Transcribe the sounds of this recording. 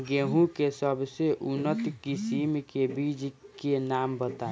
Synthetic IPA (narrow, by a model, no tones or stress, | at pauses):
ɡeɦũkesəbʱseʔunət̪kisimkebid͡ʒkenambət̪a